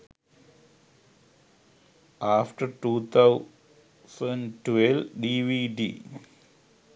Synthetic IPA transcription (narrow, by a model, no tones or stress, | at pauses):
ʔaːfʈəɾʈuːt̪ʰaʊ | sə̃ɳɖʈʋelɖiʋiɖḭː